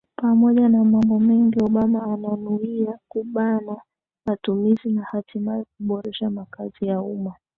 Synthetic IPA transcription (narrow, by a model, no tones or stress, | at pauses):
pamɔʄanamambɔmɛŋɡiɔɓamaːnanuiakuɓana | matumizinahatimaik̚uɓɔɾɛʃamakazijauma